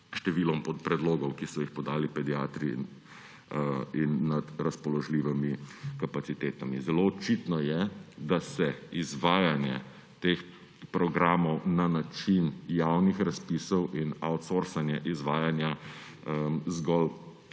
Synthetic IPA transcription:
ʃt̪ɛʋiːlɔmpɔt̪pɾɛd̪loːɡɔwkisɔjixpɔd̪aːlipɛd̪iaːt̪ɾi | inːad̪ɾaspɔlɔʒliːʋɛmikapat̪sit̪eːt̪amizɛloɔt͡ʃit̪nɔjɛd̪asɛizʋaːjanjɛ | t̪eːx | pɾɔɡɾaːmɔwnanat͡ʃinjawnixɾaspiːsɔwʔinawt̪soɾsanjɛʔizʋaːjanja | zɡɔl

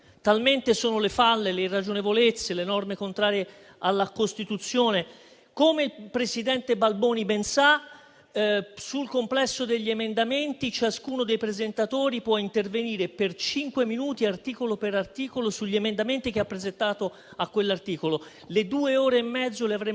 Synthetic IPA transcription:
t̪alment̪esoːnolefalːelerːad͡ʒonevolet̪sːelenɔrmekont̪ɾaːɾje | alːakost̪it̪ut̪sːjoːne | koːmeilpɾesid̪ɛnt̪ebalbɔːnibensa | sulkomplɛsːod̪eʎːiemend̪ament̪it͡ʃaskuːnod̪ejpɾezent̪at̪oːɾipwɔint̪erveniːɾepert͡ʃiŋkweminuːt̪iart̪iːkolopeɾart̪iːkolosuʎːiemend̪ament̪ik̟eapːɾezent̪aːt̪o | akːwelːart̪iːkolo | led̪uːeoːɾeːmːɛd̪zːoleavɾe

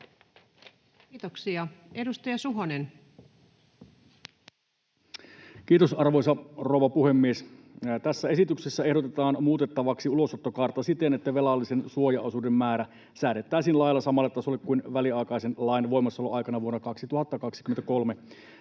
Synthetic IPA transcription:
t̪oksiɑedust̪ɑjɑsuɦonen | k̟iːt̪osɑrʋo̞jsɑrowʋɑpuhe̞mːiest̪æsːæe̞sit̪yksesːæe̞hdot̪et̪ɑːnmuːt̪et̪ːɑʋɑksiulo̞sot̪ːokɑrt̪ːɑsit̪enet̪ːæʋelɑlːisensuojɑosudemːæːɾæ | sæːɾet̪ːˑæːsiːnlɑjlːɑsɑmɑlːɑt̪ːɑsolekkːuinʋæliɑikɑjsenlɑjnʋo̞imɑsːoɑloʔɑjkɑnɑʋuonːɑkɑksit̪uhɑt̪ːɑkɑksi̥kyment̪ækolme

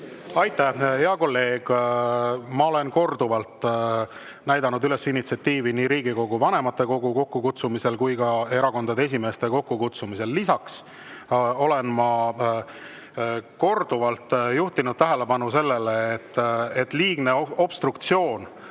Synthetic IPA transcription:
ɑjt̪ːˑæhheɑko̞lːe̞ːɡ̥ | mɑo̞le̞nko̞rd̪uvɑlt̪ | næjd̪ɑnud̪yle̞sinːit̪siɑt̪ːiːviniːɾiːɡiko̞ɡ̥uvɑne̞mɑt̪ːe̞ko̞ɡuko̞kːukut̪sumise̞lkujɡɑe̞ɾɑko̞nd̪ɑd̪ee̞s̬ʲime̞ːst̪e̞ko̞kːukut̪sumise̞lːisɑks | o̞le̞nmɑ | ko̞rd̪uvɑlt̪juht̪inud̪̥̚t̪æɦele̞pɑnuse̞lːe̞leːt̪ːet̪ːˑliːɡ̥ne̞o̞b̥st̪rukt̪sio̞ːn

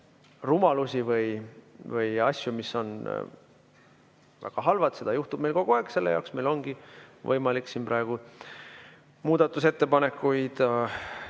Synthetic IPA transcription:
rumɑlusʲivɤjvɯjɑsʲjumisːo̞n | væ̰ɡ̥ɑɦɑlvɑd̪̥se̞d̪̥ɑjuht̪ub̥me̞jlko̞ɡ̥uɑekselːejɑ̰ːwksme̞jlo̞nɡ̥ivɤ̰jmɑliksinprʔɑeɡ̥u | muːd̪̥ɑt̪ːˑuse̞t̪ːepɑne̞kːujd̪̥

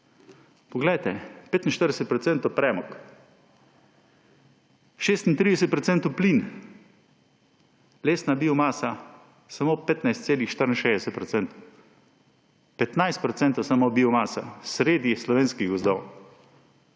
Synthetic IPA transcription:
pɔɡlɛjt̪ɛpeːt̪inʃt̪əɾd̪ɛsɛt̪̚pɾɔt̪sɛnt̪opɾɛːmɔk | ʃeːst̪int̪ɾiːd̪ɛsɛt̪̚pɾɔt̪sɛnt̪uplin | leːsnabiːɔmaːsa | samoːpeːt̪najst̪seːlixʃt̪əɾnʃeːzd̪ɛsɛt̪̚pɾɔt̪sɛnt̪ | pɛt̪najst̪̚pɾɔt̪sɛnt̪osamobiɔmaːsasɾeːd̪islɔʋeːnskiɣɡɔzd̪ɔw

